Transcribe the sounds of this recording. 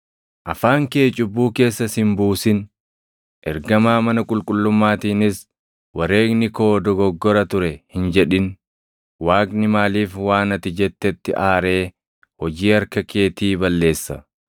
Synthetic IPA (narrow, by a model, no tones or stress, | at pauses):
ʔɐfaːŋke̞ːt͡ʃʼʊbːuːke̞ːsːɐsɪmbuːsɪn | ʔɛɾɡɐmaːmɐnɐkʼʊlkʼʊlːʊmːaːt̪iːnɪs | wɐɾe̞ːknɪko̞ːd̪ɔɡɔɡːɔɾɐt̪ʊɾɛhɪnd͡ʒɛᶑɪn | waːkʼnɪmaːliːfwaːnɐt̪ɪd͡ʒɛt̪ːɛt̪ːɪ̰ʔaːɾe̞ː | hɔd͡ʒiːɐɾkɐke̞ːt̪iːbɐlːe̞ːsːɐ